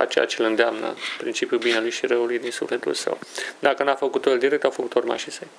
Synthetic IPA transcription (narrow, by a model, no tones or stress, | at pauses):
a̰t͡ʃḛja̰t͡ʃelɨnd̪eamnə̰pɾint͡ʃipjubinelujʃiɾəulujd̪insṵfle̞t̪ṵlsə̰wd̪akənafəkut̪ojeld̪iɾe̞k̚t̪awfəkut̪orma̰ʃisej